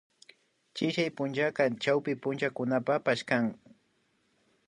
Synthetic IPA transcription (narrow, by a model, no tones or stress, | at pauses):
t͡ʃɪʃajpʊnt͡ʃakat͡ʃawpɪpʊnt͡ʃakʊnapapaʃkaŋ